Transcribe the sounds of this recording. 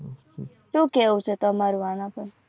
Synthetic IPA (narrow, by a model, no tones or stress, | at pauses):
ʃũːkeɦũt͡ʃʰet̪omaɾuanãpəɳ